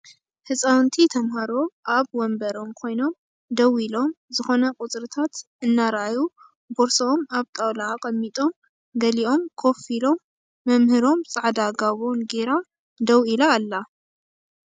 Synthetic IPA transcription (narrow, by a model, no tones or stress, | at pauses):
hɨsʼawnt̪ʰit̪ʰɐmhaɾo̞ʔaβwɔmbɐɾo̞mkʰo̞jno̞m | d̪ɐwilo̞mzɨxo̞nɐkʼʊt͡sʼɾɨt̪ʰat̪ | ɨnːaɾʔaju | boɾsomaβt̪ʼawlakʼɐmːit̪ʼo̞m | ɡɐliʔo̞mkʰo̞filo̞mː | ɐmhɨɾo̞mt͡sʼaʕd̪aɡaβo̞nɡeɾa | d̪ɐwilaːlːa